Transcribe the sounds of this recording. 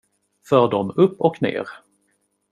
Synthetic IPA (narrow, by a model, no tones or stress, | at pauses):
fœːɖɔmɵpːɔknḛːɾ